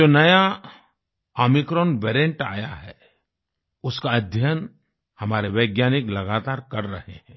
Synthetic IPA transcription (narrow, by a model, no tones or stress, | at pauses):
oːnɐja | ɔːmɪkɾɔːnʋeːɾẽɳʈa̰ːjaɦɛ | ʊskaɐd̪ʱjən | hɐmaːɾeʋeːɡjaːnɪklɐɡaːt̪aːɾkɐɾːɐɦeɦɛ̃ː